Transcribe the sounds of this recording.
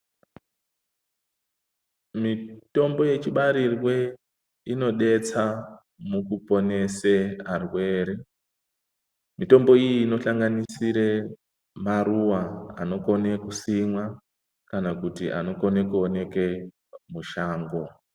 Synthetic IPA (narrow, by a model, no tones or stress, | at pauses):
mito̞mbo̞je̞t͡ʃiɓaɾirwe̞ | ino̞ɗe̞t͡sa | mukupo̞ne̞searwe̞ːɾi | mito̞mbo̞ijiːno̞ɬaŋɡanisiɾe̞ | maɾuwaa̰no̞ko̞nekusimwa | kanakutiʔa̰no̞ko̞nekuone̞ke̞ | muʃaːŋɡo